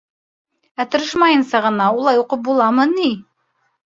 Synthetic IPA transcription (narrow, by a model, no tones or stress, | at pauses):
æt̪ŏɾɤʃmɑjɤ̆nsɤʁɤ̆nɑulˠɑjuqɤp̚bulˠɑmɤni